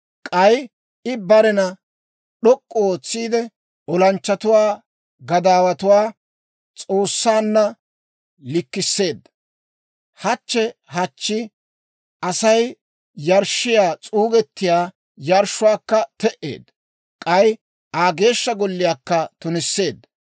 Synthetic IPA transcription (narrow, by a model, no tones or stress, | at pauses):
kʼɐj | ɪbɐɾɛnɐ | ɗɔkʼːɔoːt͡sːiːd̪ɛ | ɔlɐnt͡ʃːɐt̪ʊwaː | ɡɐd̪aːwɐt̪ʊwaː | t͡sʼo̞ːsːaːnːɐ | lɪkːɪsːe̞ːd̪ːɐ | hɐt͡ʃːɛɦɐt͡ʃːɪ | ʔɐsɐj | jɐɾʃɪjaːt͡sʼuːɡɛt̪ːɪjaː | jɐɾʃːʊwaːkːɐt̪ɛʔe̞̰ːd̪ | kʼɐj | aːɡe̞ːʃːɐɡɔlːɪjaːkːɐt̪ʊnɪsːe̞ːd̪ːɐ